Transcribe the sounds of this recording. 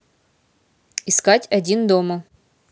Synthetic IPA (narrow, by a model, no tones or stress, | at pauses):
ɪskatʲɐdʲind̪omə